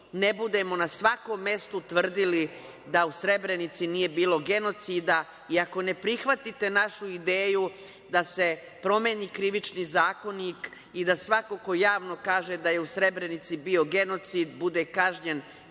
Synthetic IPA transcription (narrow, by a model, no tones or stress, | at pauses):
nebud̪e̞mo̞nasʋako̞mːe̞st̪ut̪ʋr̩d̪ili | d̪ausɾe̞bɾe̞nit̪sinije̞biːlˠo̞ɡe̞no̞t̪siːd̪a | iako̞ne̞pɾixʋat̪it̪e̞naʃuid̪eːju | d̪ase̞ | pɾo̞meːniːkɾiʋit͡ʃniːzaːko̞niːk | id̪asʋako̞ko̞jaːʋno̞kaːʒe̞d̪aje̞usɾe̞bɾe̞nit̪sibio̞ɡe̞no̞t̪siːd̪bud̪e̞kaʒɲen